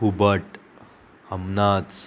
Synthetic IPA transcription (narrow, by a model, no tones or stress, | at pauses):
ubəʈ | həmnat͡s